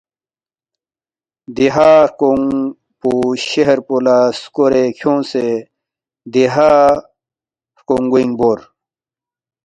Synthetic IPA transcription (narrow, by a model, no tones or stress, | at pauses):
d̪iɦaɾkoŋ | puɕeɦeɾpolaskoɾekʰjõːnse | d̪iɦa | ɾkoŋɡwiŋboːɾ